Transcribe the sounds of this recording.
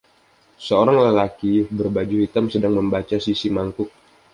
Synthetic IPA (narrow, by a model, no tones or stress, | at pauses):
səoɾaŋləlakibərbad͡ʒuhit̪amsədaŋməmbat͡ʃasisimaŋkʊk̚